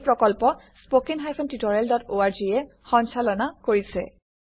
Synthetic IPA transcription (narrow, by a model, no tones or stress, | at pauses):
pɹɔkɔlpɔ | spokiŋɦajpʰɔntitɔɹaldɔtoaɹd͡ʒiɛ | xɔnsalɔnakoɹisɛ̰